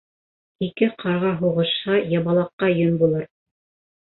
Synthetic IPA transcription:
ikɘqʰɑɾʁɑɦuʁɤ̆ʃhɑjɑβɑlˠɑqːɑjɵnbulˠɤɾ

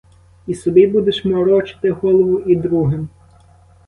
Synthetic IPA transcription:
isɔbibud̪eʃmɔɾɔt͡ʃɪ̥t̪ɪɦɔlˠɔʋʊʔid̪ɾuɦem

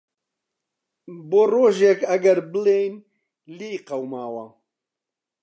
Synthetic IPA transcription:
boːroːʒekɐɡɐɾbɨlejn | liːjqɐwmaːwɐ

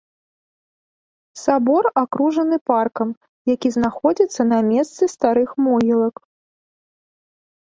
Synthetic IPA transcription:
sabɔrakɾuʐɐnɨparkɐm | jakʲiznaxɔd͡zʲit̪sːɐnamʲɛst̪sɨst̪aɾɨxmɔjʲilˠɐk

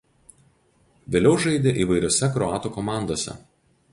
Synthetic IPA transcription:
ʋʲeːlʲɛʊʒɐɪd̪ʲeʔiːʋɐɪɾʲoːsʲɛkɾɔɑːt̪uːkɔmɑˑnd̪oːsʲɛ̰

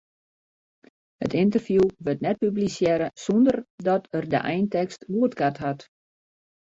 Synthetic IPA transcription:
hətɪnt̬ərfjuʋɵtnɛt̚pyblisjɛɾəsondərdɔtərdə̰ʔɛjntɛkstʋuətkatɦat

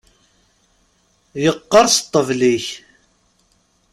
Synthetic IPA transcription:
jəqːɑɾˤst̪ˤːəvliç

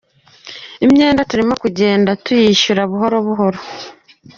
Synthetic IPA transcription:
imɲe̞ːndatuɾimo̞kuɟe̞ːndatujiʃuɾaβuɦo̞ɾoβuɦo̞ɾo

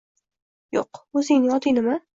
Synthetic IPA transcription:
joqɵzɪŋnɪjɒt̪ʰɪnɪma

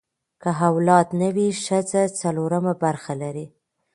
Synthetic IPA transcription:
kəɦawlɑt̪nawiʃət͡sat͡saloɾamabaɾxalaɾi

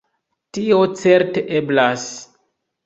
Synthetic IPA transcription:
tiot͡se̞ɾteʔeblas

